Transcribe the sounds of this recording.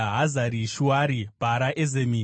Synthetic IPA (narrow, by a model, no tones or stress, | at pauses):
ɦazaɾiʃuwaɾibʱaɾaʔezemi